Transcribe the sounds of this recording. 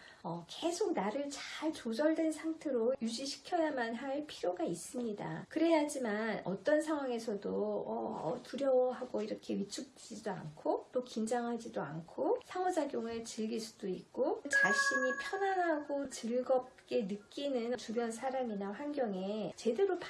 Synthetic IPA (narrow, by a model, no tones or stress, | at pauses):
ʌkesʰok̚naɾɯɭt͡ɕaɭt͡ɕod͡ʑʌɭdwe̞nsʰaŋtʰe̞ɾojud͡ʑiɕʰi̥kʰjʌnamanɦaɭpʰiɾjoɡais͈ɯmɲida̰kɯɾe̞ad͡ʑimanʌ̰t͈ʌnsʰaŋwaŋe̞sʰʌdoʌ̰tuɾjʌwʌɦaɡoiɾʌkʰe̞ɥit͡ɕʰuk̚t͈eid͡ʑidoa̰nkʰot͈okind͡ʑaŋɦad͡ʑidoankʰosʰaŋwʌd͡ʑaɡjoŋɯɭt͡ɕɯɭɡiɭs͈ud̥oik̚k͈ot͡ɕaɕ͈iɲipʰjʌnanɦaɡot͡ɕɯɭɡʌp̚k͈e̞nɯk͈inɯnt͡ɕubjʌnsʰaɾaminaɸwanɡʲjʌŋe̞t͡ɕe̞deɾop